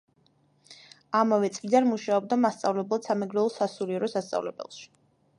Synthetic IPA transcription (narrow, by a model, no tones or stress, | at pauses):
amavɛt̪sʼvid̪anmuʃaɔb̚d̪amast̪sʼavlɛblˠad̪samɛɡɾɛulˠsasuɾiɛɾɔsast̪sʼa̰vlɛ̰bɛ̰lˠʃi̥